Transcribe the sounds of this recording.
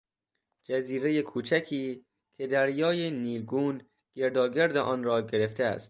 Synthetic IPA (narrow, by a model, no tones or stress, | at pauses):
d͡ʒæziːɾeje̞kʰuːt͡ʃʰækʰiː | kʰe̞d̪æɾjɒːjeniːɾɡuːn | ɡ̥eɾd̪ɒːɡeɾd̪eʔɒːnɾɒːɟe̞ɾe̞ft̪eæ̰st̪̚